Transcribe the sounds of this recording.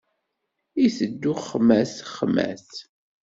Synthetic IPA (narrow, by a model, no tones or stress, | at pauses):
iθəd̪ːʊχːəmæsχːəmæ̰θ